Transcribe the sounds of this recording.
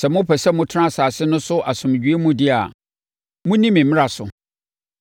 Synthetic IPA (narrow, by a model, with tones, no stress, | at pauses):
sɛ˨mʊ̃˦pʰɛ˨sɛ˦mʊ̃˦tʰɪ˦ã˦˨saː˨sɪ˦nʊ̃˦sʊ˦ʔa˨sʊ̃˨m˨d͡ʑᶣɥe˦mũ˦dɪ˦a̰˨ | mʊ̃˦nĩ˦mɪ̃˨m̩˨mɪ̃˦a˨sʊ˨